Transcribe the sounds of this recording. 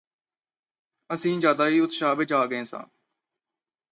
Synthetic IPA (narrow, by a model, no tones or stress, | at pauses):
əsĩːd͡ʒjaːd̪aːɦiːʊt̪ʃaːʋed͡ʒaːɡẽːsã̰ː